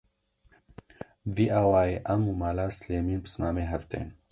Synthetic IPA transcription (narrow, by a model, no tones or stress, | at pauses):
viʔaːwaːeʔɐmumaːlaːsleːmiːnpə̥smaːmeːɦɐft̪ḛːn